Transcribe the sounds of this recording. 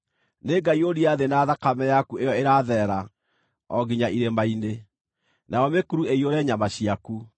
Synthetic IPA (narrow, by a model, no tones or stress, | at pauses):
neɡaioɾiaðenaːðakamɛjakuejɔeɾaðɛɾa | ɔɡiɲaʔiɾemaine | naɔmekuɾueioɾɛɲamaɕiaku